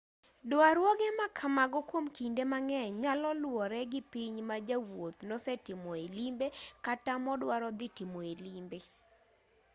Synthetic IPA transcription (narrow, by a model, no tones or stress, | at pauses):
dwaɾwɔɡɛmakʰamaɡɔkwomkindemaŋɛɲalɔlwɔɾɛɡɪpiɲmad͡ʒawot̪nɔsɛtɪmɔelimbekatamɔdwaɾɔd̪ɪtɪmɔelimbe